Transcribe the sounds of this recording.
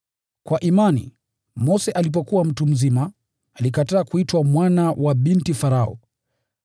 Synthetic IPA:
kwaʔimanḭ | mɔsɛʔalip̬ɔkuwam̩tum̩zimaː | likataːkuitwamwanawʔaɓintifaɾaɔ̰

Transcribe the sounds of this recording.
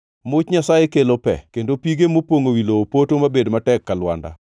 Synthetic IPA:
mʊt͡ʃɲasajekelopɛ̰kendopiɡemopwoŋowiloopotomabedmatɛkːalwa̰nda̰

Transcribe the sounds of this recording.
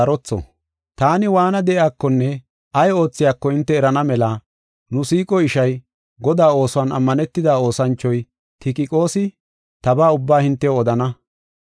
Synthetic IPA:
ɐɾɔt͡sːɔ̰ | t̪aːnɪwaːnɐd̪ɛʔjaːkːɔnːɛ | ʔɐjo̞ːt͡sːɪjaːkːɔɪnt̪ːɛːɾɐnɐmɛlɐ | nʊsiːkʼɔɪʃɐj | ɡɔd̪aːo̞ːsʊwaːnɐ̰mːɐnɛt̪ːɪd̪aːo̞ːsɐnt͡ʃːɔj | t̪ʰɪkʼɪkʼo̞ːsɪ | t̪ɐbaːʊbːaːhɪnt̪ːɛjoɔd̪ɐnɐ

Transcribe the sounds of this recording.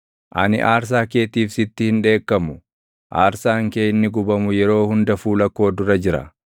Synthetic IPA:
ʔɐ̰nɪ̰ʔaːɾs̬aːke̞ːt̪iːfsɪt̪ːɪhɪnᶑe̞ːkːɐmʊ | ʔaːɾsaːŋkeːɪnːɪɡʊbɐmʊjɛɾo̞ːhʊnd̪ɐfuːlɐkːo̞ːd̪ʊɾɐd͡ʒɪɾɐ̰

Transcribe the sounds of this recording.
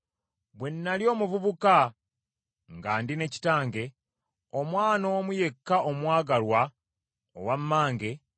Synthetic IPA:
bwe̞nːaljo̞ːmuvuβuka | ŋɡaːndine̞ci̥taːŋɡe̞ | omwaːno̞ːmuje̞kːaʔomwaːɡalwa | o̰wamːaːŋɡe̞

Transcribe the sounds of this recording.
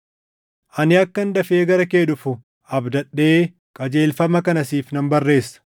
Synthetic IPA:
ʔɐnɪɐkːɐnd̪ɐfe̞ːɡɐɾɐkeːᶑʊfʊ | ɐbd̪ɐᶑːe̞ː | kʼɐd͡ʒe̞ːlfɐmɐkɐnɐsiːfnɐmbɐrːe̞ːsːɐ̥

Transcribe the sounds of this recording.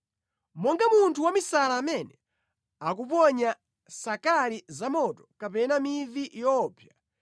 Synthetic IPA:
mɔŋɡamuntʰuwamisalaːmɛnɛ | ak̬upɔɲa | sakalizamɔtɔ̥kapɛnamivijɔːpʰja

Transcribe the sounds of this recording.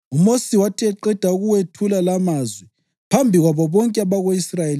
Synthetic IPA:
umosiwatʰiɛǃɛd̥ʱauɣuwetʰulalamazwɛ | pʰambʱiɣwaβɔβɔŋkʼɛaβaɣoisrajel

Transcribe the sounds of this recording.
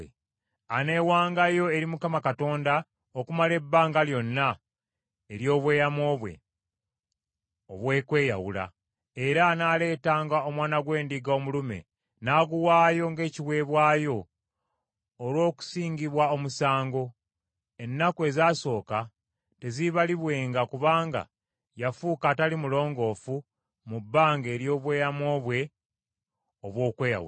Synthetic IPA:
ane̞ːwaːŋɡajo̞e̞ɾimukamakato̞ːnda | okumale̞bːaːŋɡaljo̞nːa | eɾjo̞ːβwe̞ːjamo̞ːβwe̞̰ | o̰βwe̞ːkwe̞ːja̰wṵla̰ | eɾanaːle̞ːtaːŋɡao̞mwaːnaɡwe̞ːndiɡaːmulume̞̰ | naːɡuwaːjo̞ŋɡe̞ːciwe̞ːβwaːjo̞ | lwo̞ːku̥siːɲɟiβwaomusaːŋɡo̞ | e̞nːakwe̞zaːso̞ːka | te̞ziβaliβwe̞ːŋɡakuβaːŋɡa̰ | jafuːkatalimulo̞ːŋɡo̞ːfu | mubːaːŋɡe̞ːɾjo̞ːβwe̞ːjamwo̞ːβwe̞ | oβwo̞ːkwe̞ːja̰wṵ

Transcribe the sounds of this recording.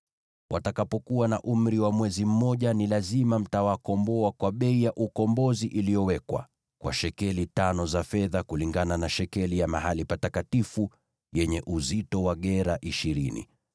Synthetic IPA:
wʔatakapɔkuwanaʔum̩ɾiwamwɛzim̩mɔʄanilazimam̩tawakɔmbɔakwaɓɛijaʔukɔmbɔziʔilijɔwɛkwa̰ | kwa̰ʃɛkɛlitanɔzafɛðakuliŋɡananaʃɛkɛlijamaɦalipatakatifu | jɛɲɛʔuzitɔwaɠɛɾaʔiʃiɾinḭ

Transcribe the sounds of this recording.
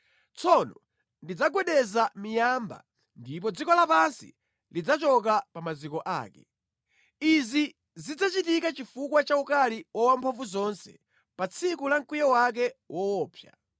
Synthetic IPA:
t͡sʰɔnɔ | ndid͡zaɡwɛɗɛzamijamba̰ | ndip̬ɔd͡zikɔlapansḭ | lid͡zat͡ʃɔk̬apamazikɔʔa̰ːkɛ | izi | zid͡zat͡ʃitikat͡ʃifukwat͡ʃaukaliwɔwampʰaɱvuzɔnsɛ̰ | pat͡sʰikulaŋkwijɔwak̬ɛwʔɔwɔːpʰja̰

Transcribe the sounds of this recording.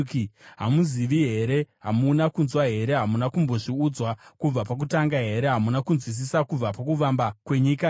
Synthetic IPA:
kiɦamuziʋiɦe̞ɾe̞ɦamunakunzwaɦe̞ɾe̞ɦamunakumbo̞ʐiud͡zwakub͡vapak̬utaŋɡaɦe̞ɾe̞ɦamunakunzwis̬isakub͡vapakuʋambakwe̞ɲiːka

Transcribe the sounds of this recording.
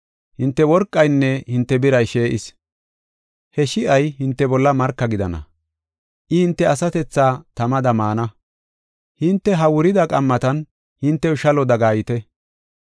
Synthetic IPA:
hɪnt̪ːɛwɔɾkʼːɐjnːɛhɪnt̪ːɛbɪɾɐjʃe̞ːʔɪs | hɛʃɪʔɐjɦɪnt̪ːɛbɔlːɐmɐɾkːɐɡɪd̪ɐ̰nɐ̰ | ʔɪhɪnt̪ːɛɐsɐt̪ɛt͡sːaːt̪ɐmɐd̪ɐmaːnɐ | hɪnt̪ːɛɦɐwʊɾɪd̪ɐkʼɐmːɐt̪ɐn | hɪnt̪ːɛʊʃɐlɔd̪ɐɡaːjɪt̪ɛ

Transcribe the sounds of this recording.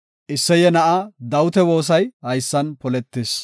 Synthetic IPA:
ʔɪsːɛjɛnɐʔɐd̪ɐwʊt̪ɛwo̞ːs̬ɐjhɐjsːɐnpɔlɛt̪ːes

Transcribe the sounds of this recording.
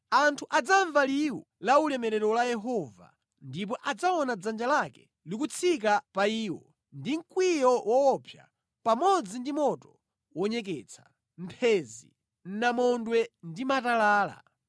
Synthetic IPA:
antʰuʔad͡zaɱvaliwu | laulɛmɛɾɛɾɔlajɛɦɔva̰ | ndip̬ɔʔad͡zaɔnad͡zand͡ʒalakɛ̥ | likut͡sʰik̬apaiːwɔ | ndiŋ̩kwijɔwʔɔːpʰja̰ | pamɔd͡zindimɔtɔ | wɔɲɛk̬ɛt͡sʰḁ | m̩pʰɛzḭ | n̩namɔndwɛndimatalaːla̰

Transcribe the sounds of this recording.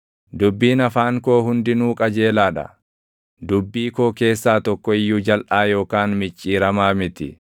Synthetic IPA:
d̪ʊbːiːnɐfaːŋko̞ːɦʊnd̪ɪnuːkʼɐd͡ʒe̞ːlaːᶑɐ̰ | d̪ʊbːiːko̞ːke̞ːsːaːt̪ɔkːɔɪjːʊd͡ʒɐlʔaːjo̞ːkaːnmɪt͡ʃʼːiːɾɐmaːmɪt̪ɪ

